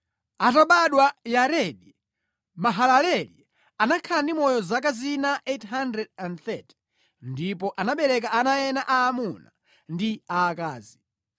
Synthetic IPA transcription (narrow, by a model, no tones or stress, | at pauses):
ataɓaɗwajaɾɛɗi | maɦalalɛli | anakʰaandimɔjɔzakazinaʔethandɾɛdandθɛti̥ | ndipɔʔanaɓɛɾɛk̬aanajɛnaʔaːmuna | ndiaːkaːzi